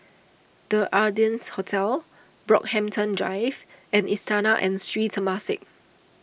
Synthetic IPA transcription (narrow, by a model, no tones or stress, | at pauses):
d̥əʔadiə̃nshotʰɛl | bɹɔ̰k̚hɛ̃mtʰə̃ndɹa̰ɪvɛ̃nistanaʔɛ̃nstɹitʰəmasɪ̰k̚